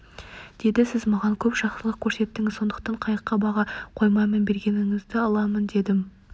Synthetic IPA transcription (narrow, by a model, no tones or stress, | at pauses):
d̪̥e̞d̪ɪsɪzmɑʁɑŋkʲʰɵpʃɑqsəlˠəq̚kʲʰɵɾse̞t̪ːɪŋɪzso̞nd̪əq̚t̪ɑɴqʰɑjəqːɑbɑʁɑqʰo̞jmɑjmenbe̞ɾɡʲe̞nɪŋɪzd̪ɪɑlˠɑmənd̪e̞d̪ɪm